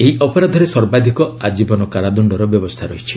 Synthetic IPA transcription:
eiʔɔpɔɾad̪ʱɔɾesɔɾbad̪ʱikɔad͡ʒibɔnɔkaɾad̪ɔɳɖɔɾɔbjɔbɔst̪ʰaɾɔɦit͡ʃʰi̥

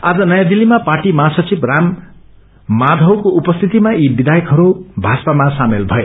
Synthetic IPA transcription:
ad͡zʌnʌjãd̪ilːimapaʈimasʌt͡sibramː | ad̪ʱʌwkoupʌst̪ʰit̪imaʔibid̪ajʌkɦʌɾubʱaspamasamelbʱʌe

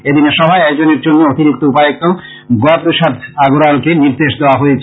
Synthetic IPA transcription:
ed̪ineʃɔbʱaeɛkd͡ʑoneɾd͡ʑonːeot̪iɾikt̪oupaek̚t̪o | ɡoapɾoʃad̪aɡoɾalkeniɾd̪eʃd̪eoaɦojet͡ɕʰ

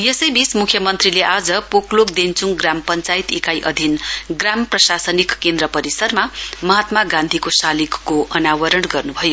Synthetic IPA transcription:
jesʌjbismukʰjʌmʌnt̪rileʔad͡zʌpoklokd̪ent͡suŋɡrampʌnt͡sajt̪ikajʔʌ̰d̪ʱinɡramprʌsasʌnikːend̪ɾʌpʌɾisʌrmamʌɦat̪maɡãnd̪ʱikosalikːoʔʌnawʌɾʌɳɡʌrnubʱʌjo

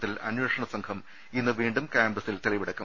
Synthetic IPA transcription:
t̪ːilɐ̰nweːʂɐɳɐsɐŋkʰɐm | inːɨʋiːɳɖumkaːmbɐsilt̪eɭiʋiɽɐkːu

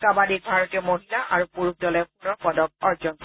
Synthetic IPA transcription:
kabadik̚bʱaɹɔtijɔmoɦilaʔaɹupuɹuk̚dɔlɛpunɔɹpɔdɔk̚ɔɹzɔnkɔ

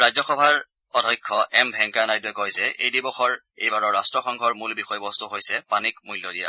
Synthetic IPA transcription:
ɹazɔxɔbʱaɹ | ɔdʱɔjkʰːɔʔɛmbʱɛŋkanajtʊɛkojzɛʔejdibɔxɔɹ | ejbaɹɔɹastɹɔxɔŋɡʱɔɹmulbixɔjbɔst̪uɦojsɛpanikmujljɔdija̰

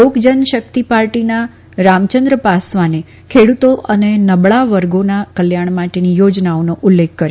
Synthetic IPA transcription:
oɡd͡ʒənʃəkt̪ipaɾʈina | ɾamt͡ʃənd̪ɾəpasʋane | kʰeɽut̪oʔənenəbɭaʋəɾɡonakəljaɳ̃maʈenijod͡ʒnaonoʔʊlːekʰːəɾ

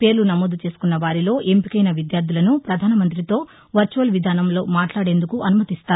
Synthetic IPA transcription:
pe̞ːɾlunɐmoːd̪ut͡ʃe̞ːsu̥kunːɐʋaːɾilo̞ːʔempikɐjnɐʋid̪jaːɾd̪ulɐnupɾɐd̪ʱaːnɐmɐnt̪ɾit̪o̞ː | ʋɐɾt͡ʃuʋɐlʋid̪ʱaːnɐmlo̞ːmaːʈlaːɽe̞ːnd̪ukuʔɐnumɐt̪ist̪aːɾu

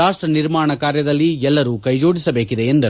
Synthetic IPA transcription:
aːʂʈɾɐniɾmaːɳɐkaːɾjɐd̪ɐlːiɛlːɐɾukɐjd͡ʒo̞ːɽisɐbeːkid̪eend̪ɐ

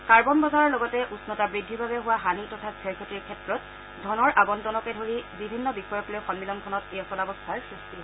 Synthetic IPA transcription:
kaɹbɔnbɔzaɹɔɹlɔɡɔtɛʔusnɔtabɹidʱːibʱabɛɦʊwaɦanitɔtʰaɡɛɹkʰɔtiɹkʰɛtɹɔt̚ | dʱɔnɔɹʔaɡɔntɔnɔkɛdʱoɹibibʱinːɔbixɔjɔklojxɔnmilɔnkʰɔnɔteɔsɔnabɔstʰaɹisti

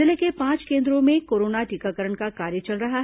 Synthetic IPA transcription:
ɪlekepãːt͡ʃkẽːnd̪ɾõmẽkoːɾoːnaʈiːkakəɾəɳkakaːɾjət͡ʃɐlɾɐɦa

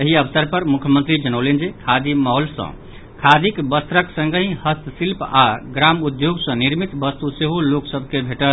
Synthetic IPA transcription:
eɦiəbsəɾpəɾmukʰjəmənt̪ɾid͡ʒənəwlend͡ʒekʰad̪imaɦolsə̰̃ | kʰad̪ikbəst̪ɾəksə̃ŋɡəĩhəst̪ʰsilpaɡɾamud̪joɡsʌ̃niɾmit̪bəst̪useɦoloksəbʱkebʱeʈəl

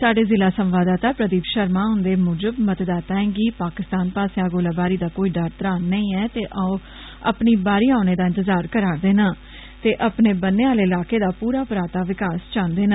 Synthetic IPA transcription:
saːɖeːzɪlaːsəmʋaːd̪aːt̪aːpɾəd̪iːpʃəɾmãːɦʊ̃nd̪eːmʊːd͡ʒəbmət̪d̪aːt̪aːẽːɡiːpaːkɪst̪aːnpaːseaːɡoːlaːbaːɾiːd̪aːkoːiːɖaɾt̪əɾaːnəĩːɛːt̪eːʔaõ | ə̰pniːbaːɾiːaːʊneːd̪aːɪ̃nt̪əzaːɾkəɾaːɾd̪eːnaː | t̪eːʔəpneːbənːeːaːleːɪlaːkeːd̪aːpuːɾaːpɾaːt̪aːʋɪkaːst͡ʃãːnd̪eːnaː

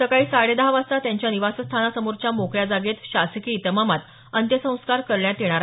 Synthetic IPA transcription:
səkaiːsaɽed̪aɦʋast̪at̪jãɲt͡ɕjaniʋasəst̪ʰanasəmuɾt͡ɕamokɭjad͡zaɡet̪ɕaskiːt̪əmamat̪ | ənt̪jəsə̃w̃skaɾkəɾɭjãt̪eɽ̃aɾa

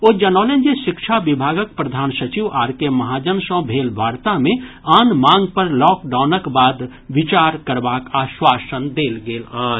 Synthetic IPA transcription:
oːd͡ʒənɔːlẽnd͡ʒeʃɪkʃʰabɪbʱaːɡək̚pɾəd̪ʱaːnsət͡ʃiʋaːɾkemɐɦaːd͡ʒənsɔ̃bʱeːlbʱaːɾt̪amẽ | aːnmãːŋɡpəɾlɔːkɖaːʊnəkbaːd̪ | ʋɪt͡ʃaːɾkəɾbaːkaːʃwaːsənd̪eːlɡeːlaː

